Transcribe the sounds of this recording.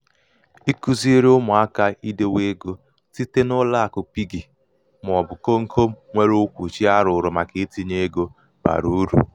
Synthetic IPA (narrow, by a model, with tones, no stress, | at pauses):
i˦ku˦zi˦e˦ɾe˦ʊ˦mʊ˨a˦ka˦i˦de˦we˦ɡo˦ | ti˦te˦nʊ˦la˦a˨kʊ˨pi˦ɡi˨ | m˨ɔ˨bʊ˨ko˦ŋ̩˦ko˦m̩˦ŋʷe˦ɾo˦kʷu˨t͡ʃi˦a˦ɾʊ˨ɾʊ˨ma˨ke˨˦ti˦ɲe˦ɡo˦ | ba̰˨ɾu˨˦ɾṵ˨